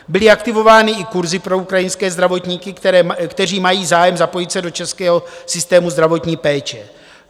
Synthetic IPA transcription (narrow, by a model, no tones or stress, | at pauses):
bɪlɪakt̪ɪvo̞vaːnɪɪkuɾzɪpɾo̞ukɾajɪnskɛːzd̪ɾavo̞t̪ɲiːkɪk̪ɛɛkt̪ɛriːmajiːzaːjɛmzapo̞jɪt̪sɛdo̞t͡ʃɛskɛːɦo̞sɪst̪ɛːmuzd̪ɾavo̞t̪ɲiːpɛːt͡ʃɛ